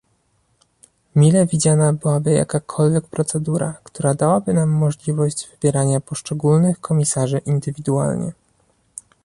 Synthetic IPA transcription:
mʲilɛvʲid͡ʑanabɘwabɘja̰kakʰɔlvʲjɛk̚pɾɔt̪sɛd̪uɾa̰kt̪uɾad̪awabɘnamːɔʐlʲivɔʑd͡ʑvɘbʲjɛɾaɲapɔʂt͡ʂɛɡulnɘxkʰɔmʲisaʐɘʔind̪ɘvʲid̪uwa̰lɲɛ̰

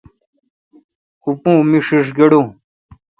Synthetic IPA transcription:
upũːmiʂiʂɡeɽũ

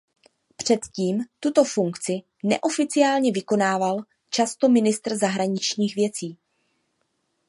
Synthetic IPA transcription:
pr̝̥ɛt̪ciːmt̪ut̪o̞fuŋkt͡sɪ | nɛ̰ʔo̞fɪt͡sɪaːlɲɛvɪko̞naːval | t͡ʃast̪o̞mɪnɪst̪rzaɦɾaɲɪt͡ʃɲiːxvjɛt͡siː

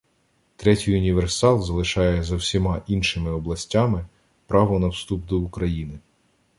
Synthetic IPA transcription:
t̪ɾɛtʲijʊnʲiʋersɑlˠzɐlˠɪʃɑjɛzɐwsʲimɑʔinʃɪmɪɔblˠɐsʲtʲamɪ | pɾɑʋɔnɐwst̪upd̪ɔukɾɐjinɪ

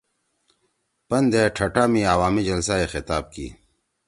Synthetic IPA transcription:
pɐnd̪eʈʰɐʈaːmiawaːmid͡ʑɐlsaexɪt̪aːb̚kḭː

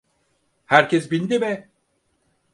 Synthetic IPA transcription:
hæɾcʰɛs̬bind̪imɛ

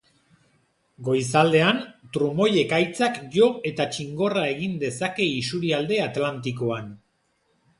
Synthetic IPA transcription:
ɡo̞jsald̪e̞ant̪ɾumo̞je̞kajt͡sakʝo̞e̞t̪at͡ʃiŋɡo̞rae̞ɣind̪e̞sake̞isuɾiald̪e̞at̪lant̪iko̞an

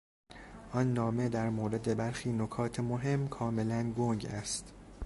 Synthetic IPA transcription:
ʔɒnːɒːme̞d̪æɾmoːɾe̞d̪e̞bæɾxiːnokʰɒːt̪ʰemoɦe̞mːkʰɒːme̞lænɡoŋɟæst̪

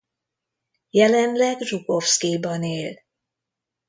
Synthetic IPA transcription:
jɛlɛnlɛɡruɡofskibɒneːl

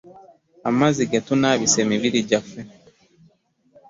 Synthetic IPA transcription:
amaziɡatunaβisemiβiɾiɟafe

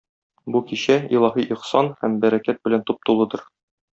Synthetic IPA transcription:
bukiɕæilˠɑɦiʔiqsɑnhæmbæɾækæt̪̚bɘ̆lænt̪up̚t̪ulˠɤ̆d̪ɤɾ

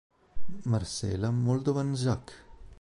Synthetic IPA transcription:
maɾsɛ̰lamold̪ovanzak

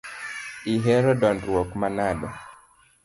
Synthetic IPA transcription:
iɦɛɾɔdɔndwɔkmanadɔ̰

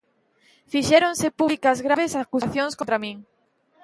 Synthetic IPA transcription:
fiʃɛɾõŋsepuβlikɐzɣɾaβesakusaθjoŋskont̪ɾamĩŋ

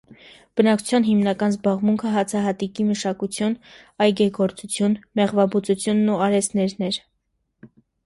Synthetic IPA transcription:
b̥ənɑkt͡ʃʰu̥t͡sʰjɑnɦimnɑkɑnzbɑʁmuŋkʰəɦɑt͡sʰɑɦɑt̪ikiməʃɑkut͡sʰjun | ɑjɡɛɡɔɾt͡sut͡sʰjunmɛʁvɑbut͡sut͡sʰjunːuɑɾɛsnɛɾnɛɾ

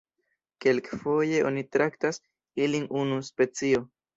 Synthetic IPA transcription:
ke̞lkfo̞je̞ʔo̞nitɾaktas | ilinunuspe̞t͡sio̞

